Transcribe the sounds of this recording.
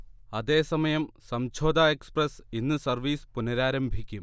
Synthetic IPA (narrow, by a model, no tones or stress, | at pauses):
ɐðe̞ːsɐmɐjɐmsɐmt͡ɕʰo̞ːd̪aːeksprɐsinːɨsɐrʋiːspunɐɾaːɾɐmbʱikʲːum